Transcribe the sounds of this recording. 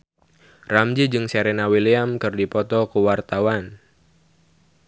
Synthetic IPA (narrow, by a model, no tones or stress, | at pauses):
ramd͡ʒid͡ʒɨŋseɾɛnawiliamkɨrdipɔt̪ɔkuwart̪awan